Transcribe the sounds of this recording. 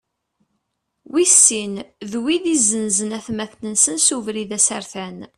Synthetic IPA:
wisːinðwiðizːənzənæθmæθnənsənsuvɾiðæsæɾθæn

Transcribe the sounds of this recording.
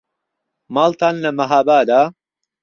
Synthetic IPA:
maːlt̪aːnlɐmɐɦaːbaːd̪aː

